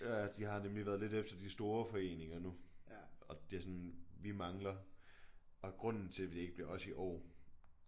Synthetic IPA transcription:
jææd̥iɦɑ̈nemliʋæːɐð̞ˠle̝d̥efd̥ɐd̥isd̥o̝ːɐfɒ̽e̝̰ːne̝ŋɐnuʔɒ̽d̥e̝æsɒnʋimɑ̈ŋlɐ | ɒ̽ɡ̥ʁɔ̽n̰n̩t͡sʰe̝ʋe̝d̥eeɡ̥əb̥liɐɒ̽siʔɒ̰ː

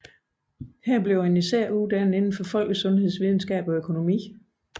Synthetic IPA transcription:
hæɐ̰b̥liʊenisæɐ̰ud̥ænð̩ˠe̝nn̩fɒ̽fɒ̽l̰ɡ̥əsɔ̽nhe̝ð̞̰ˠsʋið̞ˠn̩sɡ̥ɛ̰ːb̥ɒ̽økʰo̝no̝mḭː

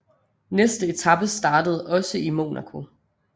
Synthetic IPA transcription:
nesd̥əe̝t͡sʰɑ̈b̥əsd̥ɑ̈ːdəð̞̩ˠɒ̽səimo̝ːnækʰo̝

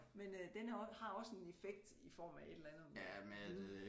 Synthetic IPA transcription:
mend̥enæɒhɑ̈ɒ̽senefeɡ̥̚d̥ifɒ̰ːmæe̝d̥elænð̩ˠæme

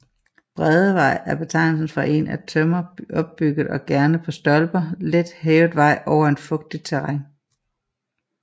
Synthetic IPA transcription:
b̥ʁɛðˠəʋɑ̈ɪ̰æɐb̥e̝t͡sʰɑ̈ɪ̰nl̩sn̩fʁɑ̈ʔe̝̰næt͡sʰømɐɒ̽b̥ːyɡ̥ð̩ˠɒ̽ɡ̥æɐnəpʰɒ̽sd̥ɒ̽lb̥ɐled̥heːʊð̩ˠʋɑ̈ɪ̰ʔɒʊ̰ɐe̝nfɔ̽ɡ̥̚d̥id̥̚t͡sʰeʁaŋ

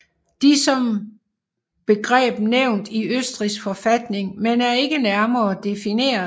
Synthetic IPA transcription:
d̥isɒ̽m | b̥e̝ɡ̥ʁɛ̰ːb̥neʊ̰nd̥iøsd̥ʁisɡ̥fɒ̽fæd̥ne̝ŋmenæɐe̝ɡ̥ənæɐmɐːd̥e̝fine̝̰ːɐ

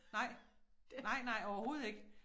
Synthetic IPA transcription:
nɑ̈ɪ̰nɑ̈ɪ̰nɑ̈ɪ̰ɒʊɐho̝ːð̩ˠe̝ɡ̥ə

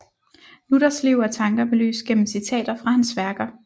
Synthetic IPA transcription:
luɾ̥ɐsliʊ̰æt͡sʰɑ̈ŋɡ̥ɐbe̝ly̰ːsɡ̥en̰m̩sit͡sʰɛ̰ːd̥ɐfʁɑ̈hænsʋæɐɡ̥ɐ

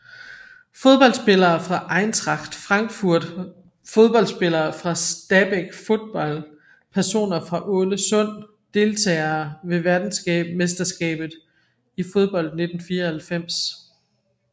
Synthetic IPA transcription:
fo̝ð̞ˠb̥ɒ̽ldsb̥e̝lɐːfʁɑ̈ʔɑ̈ɪnt͡sʰʁɑ̈ɡ̥d̥fʁɑ̈ŋɡ̥fuɐ̰d̥ | fo̝ð̞ˠb̥ɒ̽l̰sb̥e̝lɐːfʁɑ̈sd̥æb̥eɡ̥fo̝ð̥ˠb̥ɒ̽l̰ | pʰæɐso̝̰ːnɐfʁɑ̈ʔɔ̽ləsɔ̽n̰ | d̥e̝lt͡sʰɛ̰ːɪɐːʋe̝ʋæɐd̥n̩sɡ̥ɛ̰ːb̥mesd̥ɐsɡ̥ɛ̰ːb̥ð̩ˠ | ifo̝ð̞ˠb̥ɒ̽l̰d̥̚ne̝d̥n̩fiːɐhælfem̰s

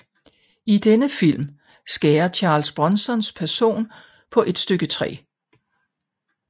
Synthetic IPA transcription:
id̥enəfil̰m | sɡ̥ɛːɐt͡ɕʰɑ̈ːlsb̥ʁɒnsɒ̽nspʰæɐso̝̰ːn | pʰɒ̽ʔe̝d̥sd̥øɡ̥ət͡sʰʁɛ̰ː

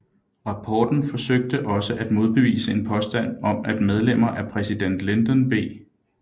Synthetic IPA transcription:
ʁɑ̈pʰɒːd̥n̩fɒ̽søɡ̥̚d̥əʔɒ̽səʔæd̥mo̝ð̞ˠb̥e̝ʋḭːsəe̝npʰɒ̽sd̥æn̰ɒ̽mæd̥með̞ˠlem̰ɐʔæpʰʁɛsid̥en̰d̥le̝nd̥ɒnb̥e̝̰ː

